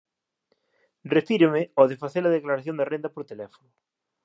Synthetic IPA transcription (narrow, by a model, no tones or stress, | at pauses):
refiɾɪmɪoðefaθelɐðeklaɾaθjõnd̪arend̪ɐpoɾt̪elɛfo̥nʊ